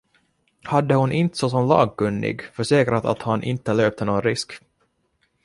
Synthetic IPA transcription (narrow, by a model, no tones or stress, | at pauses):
had̪ːəhʊnʔɪnt̪sɔs̬ɔmlɑ̰ːɡ̚kɵnːɪ̰ɡfœʂɛːkɾat̪a̰t̪hanʔɪ̰nt̪ːəløːp̚t̪ʰənoːnɾɪsk